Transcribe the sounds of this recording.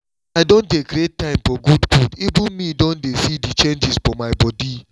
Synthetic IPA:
aɪdon̩tekɾet̚tãɪ̃mfɔɡudɡudibunmidõndefidit͡ʃend͡ʒizfɔmaɪbɔdi

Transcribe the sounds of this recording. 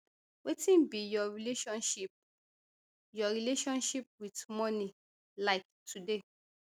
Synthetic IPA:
wetĩnbijɔɹileʃɔ̃nʃip̚ | jɔɹileʃɔ̃nʃip̚witmɔ̃nĩ | laɪk̚tʰude

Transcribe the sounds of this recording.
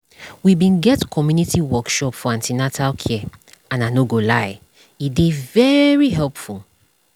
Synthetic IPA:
wibĩnɡɛtkʰɔmjunitiwɔkʃɔpfɔãntinatʰalkʰɛãnanoɡolaɪ | idevɛɹiɦɛlpful

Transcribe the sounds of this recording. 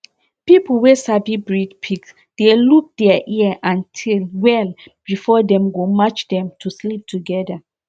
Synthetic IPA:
pipl̩wesabibɹidpʰiks | d̥eluk̚d̥ɛaʔiəʔãntʰilwɛlb̥ifɔdɛ̃mɡomat͡ʃdɛ̃mtʰuslip̚tʰuɡɛda

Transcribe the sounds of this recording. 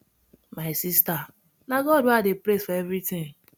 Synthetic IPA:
maɪsista | naɡɔdwadɪpɾesfaevɾitĩŋ

